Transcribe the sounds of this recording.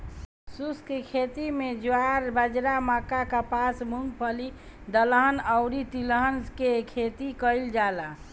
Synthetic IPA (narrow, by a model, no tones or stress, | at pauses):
suskekʰet̪imed͡ʒuaɾbəd͡ʒɾamakakapasmuŋɡ̚pʰəli | d̪ələɦənəʊɾit̪iləɦənskekʰet̪ikəɪld͡ʒala